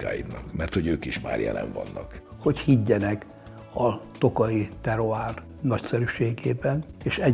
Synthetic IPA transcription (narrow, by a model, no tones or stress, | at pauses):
a̰ːjid̪nɒkmɛrt̪ho̞ɟøːkiʃma̰ːrjɛlɛɱvɒnːɒkho̞chiɟːɛnɛk | ɒt̪okɒit̪ɛɾo̞aːr | nɒcsɛɾyʃeːɡeːbɛneːʃɛ